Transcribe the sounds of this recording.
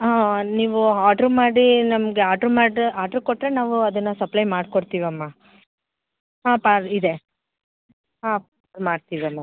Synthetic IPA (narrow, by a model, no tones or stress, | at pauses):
aːniːʋuaːʈɾumaːɽinɐmɐɡeaːʈɐɾmaːɖaːʈɐɾkoʈːɾe̞naːʋuɐd̪ɐnːɐsɐplɐjmaːɖkoɽt̪iːʋɐmːa | ɦaːpaːɾid̪e | ɦaː | ɾmaːɖt̪iːʋiɐmːa